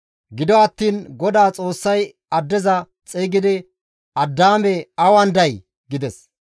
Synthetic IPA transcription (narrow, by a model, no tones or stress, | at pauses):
ɡɪd̪ɔɐt̪ːiːnɡɔd̪aːt͡sʼo̞ːsːɐj | ɐd̪ːɛzɐ | t͡sʼeːɡɪd̪ɪ | ɐd̪ːaːmɛɐwɐnd̪ɐj | ɡɪd̪ɛs